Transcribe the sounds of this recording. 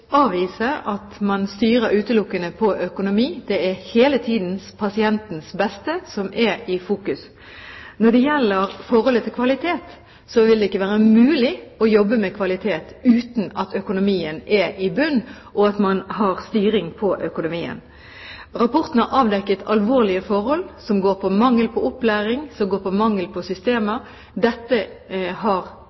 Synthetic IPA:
ɑːʋiːsəɑt̪mɑnst̪yːɾəɾʉːt̪əlʊkːənəpʰɔʔœkʊnʊmiːd̪̥ɛɛheːlət̪ʰiːd̪n̩spʰɑsɪɛnt̪n̩sbɛst̪əsɔmʔɛɾɪfuːkʉs | nɔɖɛjɛlːəɾfɔɾhɔlət̪ʰɪlkʰʋɑlɪt̪ʰeːt̪ | sɔʋɪld̪ɛɪkːəʋæːʁəmʉːlɪɔjɔbːəmɛkʰʋɑlɪt̪ʰeːt̪ʉːt̪nɑt̪ʰœkʊnʊmiːənʔɛʔɪbʉnː | ʔɔɑt̪mɑnhɑɾst̪yːɾɪŋpʰɔʔœkʊnʊmiːə̰n | ɾɑpɔɾt̪n̩hɑɾʔɑːʋd̪ɛkːət̪ʰɑlʋoːʁlɪəfɔɾhɔlsɔmɡoːɾpʰɔmɑŋːəlpʰɔɔplæːɾɪŋsɔmɡoːpɔmɑŋːəlpʰɔsʏst̪eːmə | d̪ɛt̪ːə | ɦɑɾ

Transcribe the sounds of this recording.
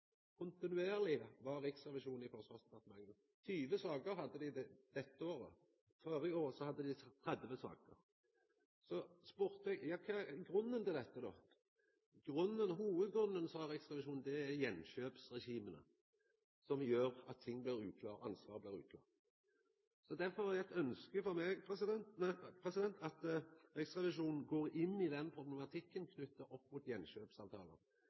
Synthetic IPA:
kʰʊnt̪ɪnʉeːʁlɪʋɑɾɪksʁɛʋɪʂuːnɪfɔsʋɑst̪əpʰɑʁt̪əmɑŋnə | t̪ʰyːʋəsɑːɡəɾɦɑd̪ːəd̪ɪd̪ɛd̪̥ɛt̪ːəoːɾə | føːɾɪoːɾsɔhɑd̪ːəd̪ɪt̪ʰɾɛd̪ʋəsɑ̰ːkəɾ | sɔspʉɾt̪ɛɡjɑːkʰɑɡɾʉnːənt̪ʰɪld̪ɛt̪ːəd̪o̰ː | ɡɾʉnːənɦuːʋəd̪ɡɾʉnːənsɔɾɪksʁɛʋɪʃuːnd̪ɛæɾjɛnːʃøːpsɾɛʃiːmənə̰ | sɔmjøːɾɑt̪ʰːɪŋːblɪɾʉːkʰlɑːɾɑnsʋɑːʁblɪːɾʉ̰ːkʰlɑ̰ːʁ | sɔd̪æɾfɔʁhɑɾæt̪œnskəfɔɾmɛpʰɛsɪd̪ɛnnæpʰɾɛsɪd̪ɛnt̪ʰɑt̪ɾɪksʁɛʋɪʂuːnn̩ɡoːʁɪnːɪd̪ɛnpʰɾʊblɛmɑt̪ʰɪkːənkʰnʉt̪ːəɾʔɔpːmuːt̪jɛnʃøːpsɑʋt̪ʰɑ̰ːlə̰

